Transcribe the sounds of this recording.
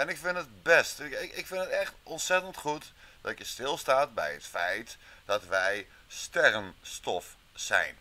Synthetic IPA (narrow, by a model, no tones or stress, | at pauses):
ɛnɪkfɪntəd̚bɛstɪkɪkfɪntətɛχtʔɔnsɛtəntχutd̥ɔtjəstɪlˠstaːt̚bɛ̰jətfɛjtd̥ɑtʋɛj | stɛrənstɔf | sɛ̰jn